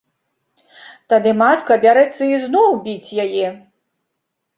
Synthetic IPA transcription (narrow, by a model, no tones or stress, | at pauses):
t̪ad̪ɨmat̪kɐbʲaɾɛt̪sːɐiznɔwbʲit͡sʲjajɛ